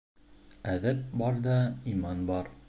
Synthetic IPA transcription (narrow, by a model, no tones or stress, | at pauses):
æðæp̚bɒɾd̪ɑimɑnbɑɾ